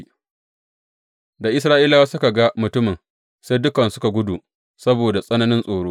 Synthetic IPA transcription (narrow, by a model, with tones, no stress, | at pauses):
da˨ʔɪ˦s̬ɾaː˦ʔiː˦la˦wa˦sʊ˦ka˨ɡa˦mʊ˨tʊ˦mɪ˨n | se˦jdʊ˦kɐ˨nsʊ˦ka˨ɡʷʊ˦du˨ | sɐ˦boː˨da˨sʼɐ˦nɐ˦nɪ˦nsʼoː˨ɽoː˦